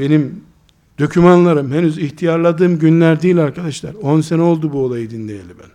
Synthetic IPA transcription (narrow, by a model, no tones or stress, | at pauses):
be̞nim | d̪̥o̞cʰymanlˠaɾɯmɦenyziçt̪ʰijaɾlˠad̪ɯːmɟynlʲæɾd̪ijlʲaɾkad̪aʃlˠa̰ɾo̞nsenɛo̞lˠd̪ubuolˠajɯd̪inlʲejḛlʲibæ̰n